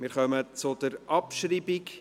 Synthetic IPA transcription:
mɪɾχœmət͡sʊd̥̪əɾʔɑpʃɾiːbik

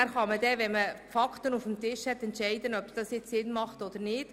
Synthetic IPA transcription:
æɾχɑməd̪ɛʋɛməfɑktənufm̩t̪ɪʃhɛt̪ɛntʃɛɪdənœpsd̥ɑsjɪt͡ssɪnːmɑχtɔd̪əɾnɪːd̥

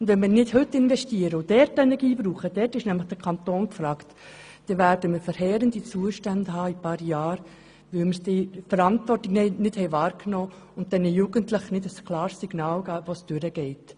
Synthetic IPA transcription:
ʊndʋɛnmɪːɾnɪdhɵtːɪnʋɛʃtiəɾəʊd̥ɛɾtːɛnɛɾɡiːbɾuːχəd̥ɛrtɪʃnæmləχd̥əɾkʰɑnt̪oːnkfɾɑːkt | d̥ɛvæːɾdəməɾfəɾhɛːɾəndit͡suːəʃtændəhɑːipɑːɾjɑːɾ | ʋɪlməɾsd̥ɪfəɾɑntvɔrtɪɡɛnɪthɛɪvɑːɾknoː | ʊnt̚d̥ɛnɪjuːɡəntlɪχnɪdəsklɑːɾsiɡ̥nɑːlɡaːʋosd̥øɾəɡ̥ɛɪt

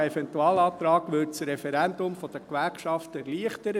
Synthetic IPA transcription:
ɛfɛntuɑːlɑːt̪ɾɑːɡ̥ʋʏt͡sɾɛfɛɾændʊmfɔd̥əkʋæɾkʃɑftɛɾliəχtəɾə

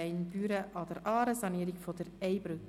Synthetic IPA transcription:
ɛɪnb̥yːɾəʔɑd̥̪əɾʔɑːɾəsɑniːəɾɪɡfod̥̪əɾɛɪbɾʉk

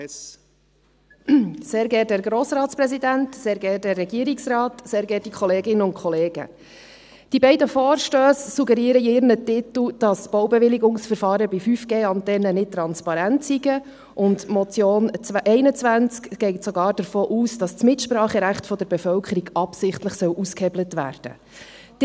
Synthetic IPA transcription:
seːɾɡɛːt̚dɛːɾɡɾoːsɾɑːtspɾɛsidæntseːɾɡɛːt̚dɛrːɛɡiəɾiksɾɑːtseːɾɡɛːt̚d̥ikχɔleːɡɪnəʊntkʰχɔleːɡ̥ə̰ | d̥ibɛɪdəfoːɾʃtøːssuɡɛɾiːəɾəiɪɾnətɪt̪l̩d̥ɑsb̥owbɛʋɪliɡʊŋsfəɾfɑːɾəbifyːfɡ̥eːɑntɛnənɪt̚tɾɑnspɑɾæntsiɡə | ʔʊntmɔt͡sjoːnʔɛɪnət͡sʋænt͡skɡ̥ɛɪtsɔɡɑːɾd̥əɾfoːʔuːsd̥ɑst͡smɪtʃpɾɑːχəɾæχtfɔd̪əɾbɛfœlkʰəɾiɡɑpsɪχtləχsœwʔuskhɛblətʋæ̰ːɾd̥ə̰̥

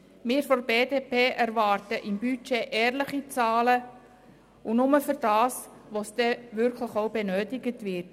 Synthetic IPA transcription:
mɪːɾfɔɾbeːdeːpeːʔæɾvɑːrtəʔɪmbyt͡ʃeʔɛːrləχit͡sɑːlə | unʊməfʏɾd̥ɑːsʋosd̥ɛʋʏɾkʰləχoʊbenøːtɪɡətvɪt

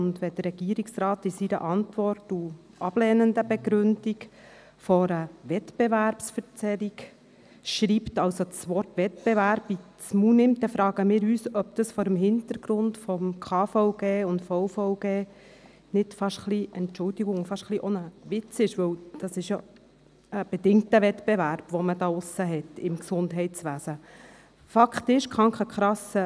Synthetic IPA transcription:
ʊnd̪ʋɛd̥̪ərɾɛɡiːəɾiksɾɑːtɪsiɾə̰ʔɑntʋɔrtu | ɑb̥lɛːnəndəbɛɡɾʏnd̥ik | fɔɾəʋɛtbeʋæɾpsfəɾt͡sɛɾik | ʃɾiːptɑwsosʋɔɾtʋɛtb̥ɛʋæɾbi | t͡smunɪmt̚ːɛfɾɑːɡ̥əmɪːɾyːsœb̚d̥̪ɑsfɔɾəmhɪnt̪əɾɡ̥ɾʊndfɔmkʰɑːfɔʊɡ̥eːʊntfɔʊfɔʊɡeː | nɪtfɑʃχliʔɛntt͡ʃʊldiɡʊŋʊfɑʃχliʔɔnəʋɪt͡sɪʃʋɵwd̥ɑsɪʃjo | əb̥ɛd̥ɪŋtəʋɛtb̥eʋæɾb̥ʋɔmədɑːʊsːəɦɛtːɪmksʊndɦɛɪt͡sʋæːsə | fɑkχtɪʃkχɑŋkəkχɾɑsə

